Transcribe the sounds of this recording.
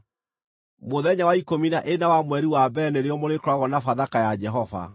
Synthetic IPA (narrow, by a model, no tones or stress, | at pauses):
moðɛɲawaikominaʔenawamwɛɾiwabɛneɾeɔmoɾekɾwaɣɔnafaðakajad͡ʒɛɦɔva̰